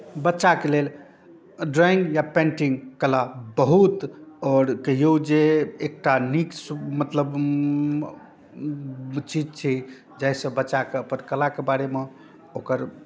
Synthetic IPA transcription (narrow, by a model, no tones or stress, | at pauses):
bətːʃakelel | ɖɾaiŋɡjapẽɳʈiŋkːəlabəɦut̪ɔːɾkəɦijod͡ʒeek̚ʈanikmət̪ləb | t͡ʃid͡ʒt͡ʃʰi | d͡ʒaɪsə̃bətːʃakeəpənkəlakebaɾeme | okəɾ